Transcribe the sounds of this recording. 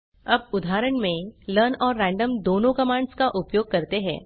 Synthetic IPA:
ɐbʊd̪ʱaːɾəɳmẽləɾnɔːɾːɛ̃ːɳɖəmd̪oːnõkɐmãːɳɖskaʔʊpjoːɡ̚kɐɾt̪eɦɛ̰̃ː

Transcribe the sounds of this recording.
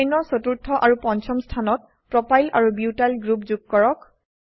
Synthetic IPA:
jnɔɹsotuɹtʰːɔʔaɹupɔnt͡ʃɔmstʰanɔt̚ | pɹɔpʰajlʔaɹubiutalɡɹupzuɡ̚kɔɹɔk

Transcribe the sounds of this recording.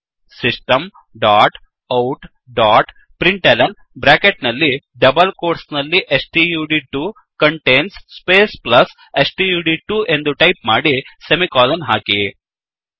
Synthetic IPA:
sisʈɐm | ɖaːʈ | ɐwʈ | ɖaːʈ | pɾiɳʈelɐn | bɾaːkeʈnɐlːi | ɖɐbɐlkoːɾsnɐlːiʔesʈijuːɖiʈuː | kɐɳʈeːnsːpeːsplɐs | esʈijuːɖiʈuːʔe̞nd̪uʈɐjp̚maːɽisemikaːlɐnɦaːki

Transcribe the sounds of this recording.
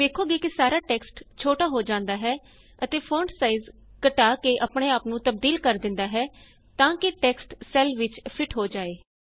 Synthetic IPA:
ʋeːkʰːoːɡeːkɪsaːɾaːʈɛːksʈt͡ʃʰoːʈaːɦoːd͡ʒãːnd̪aːɦɛː | ət̪eːpʰõːɳɖsaːizkəʈaːkeːʔəpɽeːaːpnũːt̪əb̚d̪iːlkəɾd̪ɪ̃nd̪aːɦɛː | t̪ãːkɪʈɛːksʈsɛːlʋɪt͡ʃpʰɪʈɦoːd͡ʒaːeː

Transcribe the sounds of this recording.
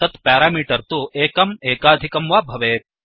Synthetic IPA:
ɐt̪paːɾaːmiːʈɐɾt̪uʔeːkɐmeːkaːd̪ʱikɐmʋaːbʱɐʋeː

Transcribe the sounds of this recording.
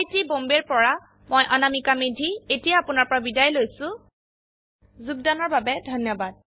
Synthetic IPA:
tibombeɹpɔɹa | mojʔanamikamedʱietijaːpʊnaɹpɔɹabidajlojsʊ̃ | zuɡ̚danɔɹbabɛdʱɔnjɔbad̚

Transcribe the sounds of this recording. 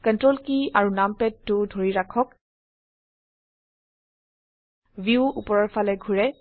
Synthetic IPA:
kɔntɹolkiaɹunampɛtːʊdʱoɹiɹakʰɔk | viuupɔɹɔɹfalɛɡʱuɹɛ

